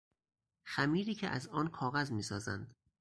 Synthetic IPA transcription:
xæmiːɾiːcʰeʔæ̰zɒːnkʰɒːɣæzmiːsɒːzæ̰nd̪

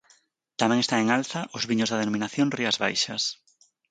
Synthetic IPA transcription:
t̪amẽŋest̪aŋeŋalθɐʔʊzβiɲʊzðaðenõmĩnaθjõŋriazβajʃɐs

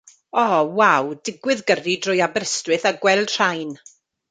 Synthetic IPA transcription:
ɔwawdɪɡwɨðɡəridrʊjabɾəstwɨθaɡwɛlˠd̥r̥ajn

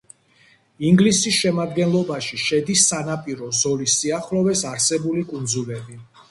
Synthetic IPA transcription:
iŋɡlisisʃɛmad̪ɡɛnlˠɔbaʃiʃɛd̪isːanapʼiɾɔzɔlisːiaχlɔvɛsaɾsɛbulikʼund̪zulɛbi

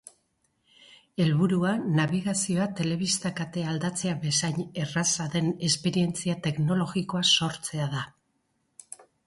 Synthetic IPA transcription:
e̞lβuɾuanaβiɣasio̞at̪e̞le̞β̞ist̪akat̪e̞ald̪at͡se̞aβe̞sajɲe̞rasaðe̞ne̞spe̞ɾie̞nt͡siat̪e̞kno̞lo̞ɣiko̞aso̞ɾt͡se̞aða

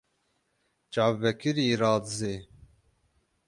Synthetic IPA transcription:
t͡ʃɑːvːɛkɪɾiːɾɑːd̪zeː

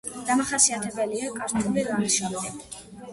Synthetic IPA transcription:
d̪̥amaχasiat̪ʰɛbɛliakʼaɾt̪ʰuliɾaɾiʃɔmd̪ɛ

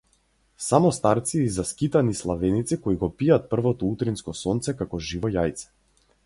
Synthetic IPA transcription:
samɔst̪aɾt̪siːzaskit̪anislˠavɛnit̪sikɔiɡɔpijat̪̚pr̩vɔt̪ɔut̪ɾinskɔsɔnt̪sɛkakɔʒivɔjajt̪sɛ̥

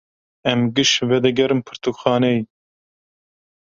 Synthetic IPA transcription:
ɛmɡɨʃvɛd̪ɛɡɛɾɨmpʰɨɾt̪ʰukxɑːnɛj

